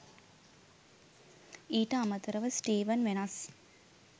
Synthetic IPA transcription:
iːʈəamət̪əɾəʋəsʈiːʋənʋenas

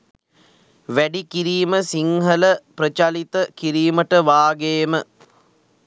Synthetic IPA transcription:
ʋæɖikiɾiːməsiŋɦələpɾət͡ʃalit̪əkiɾiːməʈəʋaːɡejmə

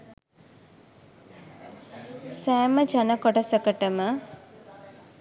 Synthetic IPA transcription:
sæːməd͡ʒanəkoʈəsəkəʈəmə

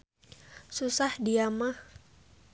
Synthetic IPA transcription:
susahdiamah

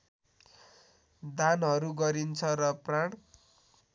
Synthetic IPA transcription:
d̪anɦʌɾuɡʌɾint͡sʰʌrʌpraɽ̃

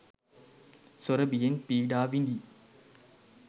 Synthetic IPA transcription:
soɾɐbijenpiːɖaːʋind̪i

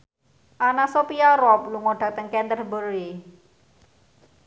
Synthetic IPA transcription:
ʔanasopiaɾɔp̚luŋoɖ̥a̤k̚t̪əŋkɛnd̪ərbəɾi

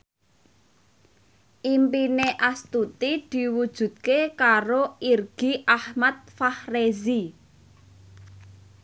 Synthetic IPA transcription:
ʔimpineʔast̪ut̪id̪̥i̤wud̥ʒ̥ṳd̪̚kekaɾoirɡ̥iʔahmat̪̚fahrezi

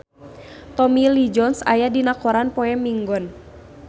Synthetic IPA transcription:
t̪ɔmilid͡ʒɔnsa̰jadinakɔɾanpɔɛmiŋɡɔn

